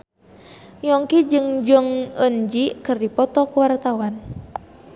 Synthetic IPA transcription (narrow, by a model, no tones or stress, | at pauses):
jɔŋkid͡ʒɨŋd͡ʒɔŋənd͡ʒikɨrdipɔt̪ɔkuwart̪awan